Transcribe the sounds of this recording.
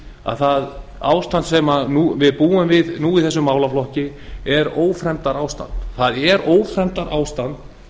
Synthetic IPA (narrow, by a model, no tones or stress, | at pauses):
a̰ðθaða̰ːwst̪ant̪sɛmanuːvɪðpuːʏmvɪðnuːiðθɛsʏmːaːwlaflɔhcɪ | ɛɾoːwfɾɛmt̪aɾaːwst̪a̰nt̪θaðɛɾoːwfɾɛmt̪aɾʔaːwst̪ant̪